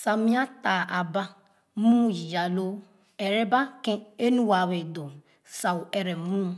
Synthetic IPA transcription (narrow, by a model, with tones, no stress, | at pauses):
sa˨mĩ˦a˦ta˨a˨ba˦ | mũ˦ji˨ja˨lo˦ | e˨ɾe˦ba˦kẽ˦e˦nu˦wa˨we˨do˨ | sa˨wu˨e˨ɾe˨mũ˦